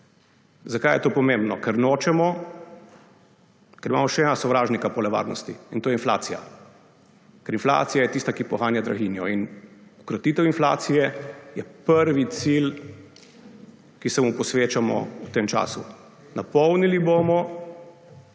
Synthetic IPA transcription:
zakaːjɛt̪oːpɔmẽmbnɔkɛɾnoːt͡ʃɛmɔ | kɛɾima̰mɔʃɛɛnasɔʋɾaːʒnikapɔlɛʋa̰ːɾnɔ̰st̪iint̪oːjɛinfla̰ːt̪sija̰ | kɛɾinfla̰ːt̪sijajɛt̪ist̪akipɔxaːnjad̪ɾaɣinjɔinukɾɔt̪iːt̪ɛwinfla̰ːt̪sijɛjɛpəɾʋit̪sil | kisɛmupɔsʋeːt͡ʃamɔ̰ut̪eːmt͡ʃa̰ːsṵ | napɔwniliboːmɔ

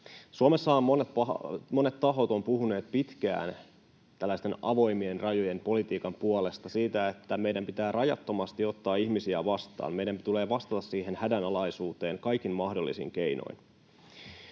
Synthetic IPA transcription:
suome̞sːɑɑont̪pɑmo̞ne̞t̪ːɑɦo̞t̪o̞mpuɦuneːt̪̚pit̪k̟æ̰ːn | t̪ælːæist̪e̞nɑʋo̞jmie̞nrɑjo̞je̞mpo̞lit̪iːkɑmpuole̞st̪ɑsiːt̪æe̞t̪ːæme̞jdæmpit̪æːrɑjɑ̰t̪ːo̞mɑst̪io̞t̪ːɑːiçmisiæ̰ʋɑst̪ɑ̰ːnme̞jdæmt̪ule̞ːʋɑst̪ɑt̪ɑssiːɦe̞nhædænɑlɑjsuːt̪e̞ːŋkɑjkinmɑhdo̞lːisḭŋk̟ejno̰jn

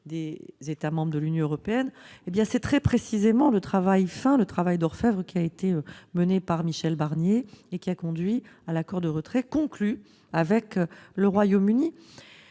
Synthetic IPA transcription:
d̪ezet̪amɑ̃bʁəd̪əlynjɔ̃øʁɔpeɛnebjɛ̃sɛt̪χɛpχesizemɑ̃lət̪χavajfɛ̃lət̪χavajd̪ɔʁfɛvʁəkʲiaet̪eømənepaʁmiʃɛlbaʁnjeːkʲiakɔ̃d̪ɥialakɔʁd̪əʁət̪χɛkɔ̃kly | avɛkləʁwajomyni

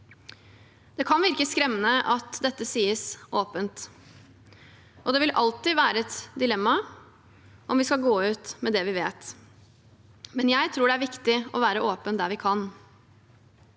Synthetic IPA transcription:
d̪̥ɛkʰɑnʋɪɾkəskɾɛmːənəʔɑt̪d̪ɛt̪ːəsiːəsʔoːpənt̪ | ʔɔd̪ɛʋɪlʔɑlt̪ɪʋæːɾəɛt̪d̪ɪlɛmːɑ | ʔɔmʋɪskɑɡoːʉːt̪mɛd̪ɛʋɪʋeːt̪ | mɛnjæɪt̪ʰɾuːɖɛæɾʋɪkt̪ɪɔʋæːɾəʔoːpənd̪æɾʋɪkʰɑn

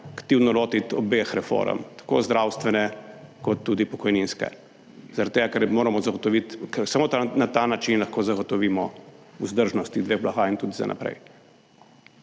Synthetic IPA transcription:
akt̪iwnɔloːt̪it̪ɔbexɾɛfo̰ːɾə̰mt̪ḁko̰zd̪ɾawst̪ʋɛnɛkɔt̪ːuːd̪ipɔkɔjninskɛ̰ | zaɾat̪t̪ːeːɡakɛɾmoːɾamɔzaɡɔt̪ɔʋit̪ksamoːt̪anat̪anat͡ʃinlaxkoːzaɡɔt̪ɔʋiːmɔuzd̪əɾʒnɔst̪id̪ʋeːɣblaxaint̪uːd̪iza̰nʔa̰pɾɛ̰j

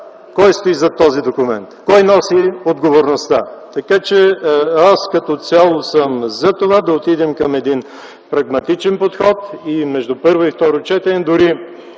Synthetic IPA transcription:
kɔjst̪oizɐt̪ɔzid̪okʊmɛ̰nt̪kɔjnɔsiod̪ɡovoɾnost̪at̪ɐkat͡ʃɛaskɐt̪ɔt̪sʲalˠosəmzɐt̪ovad̪ɐot̪id̪ɛmkɐmɛd̪in | pɾɐɡmɐt̪it͡ʃɛnpot̪xɔt̪imɛʒd̪upɤɾvoift̪ɔɾʊt͡ʃɛt̪ɛnɛd̪ʊɾi

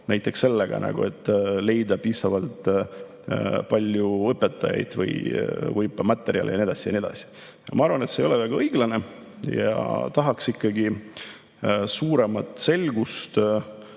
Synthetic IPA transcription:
næjt̪ˑːe̞ksːe̞lːeɡ̥ɑ̰nɑ̰ɡ̥ṵe̞t̪ːˑle̞jd̪ɑpiːsɑvɑlt̪ | pɑlʲjuɤpːe̞t̪ːˑɑ̰jɑ̰jd̪̥vɤ̰jvɤjpːˑɑmɑt̪ːˑeɾiɑ̰lʔḛjɑnied̪ɑsʲijɑnied̪ɑsi̥ | jɑmɑɑɾvɑne̞t̪seːjo̞lɛvæɡ̥ɑɤjɡ̥lɑne̞ | jɑ̰t̪ɑɦɑksikːɑɡi | suːɾe̞mɑt̪ːˑse̞lɡ̥ust̪

